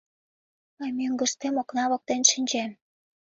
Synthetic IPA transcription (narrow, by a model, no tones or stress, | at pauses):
ɑjmiəŋɡə̆ʃt̪emoknɑβok̚t̪enʃinʲd͡ʑem